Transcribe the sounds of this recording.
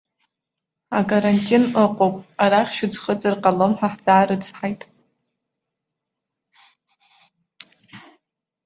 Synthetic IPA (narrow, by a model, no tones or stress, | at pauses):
akʼaɾantʼinəqʼowpʼaɾaχʲʃʊd͡zχət͡sʼɨrqʼalomħʷᶣaħd͡zaːɾɨd͡zħajtʼ